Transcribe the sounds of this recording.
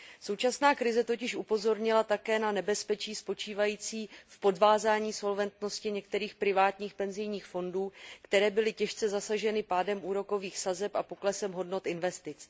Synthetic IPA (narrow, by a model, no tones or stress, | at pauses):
so̞wt͡ʃasnaːkɾɪzɛt̪o̞cɪʃʔupo̞zo̞ɾɲɪlat̪akɛːnanɛbɛspɛt͡ʃiːspo̞t͡ʃiːvajiːt͡siːfpo̞dvaːzaːɲiːso̞lvɛnt̪no̞scɪɲɛkt̪ɛɾiːxpɾɪvaːt̪ɲiːxpɛnzɪjɲiːxfo̞nduːkt̪ɛɾɛːbɪlɪcɛʃt͡sɛzasaʒɛnɪpaːdɛmʔuːɾo̞ko̞viːxsazɛpapo̞klɛsɛmɦo̞dno̞t̪ʔɪnvɛst̪ɪt͡s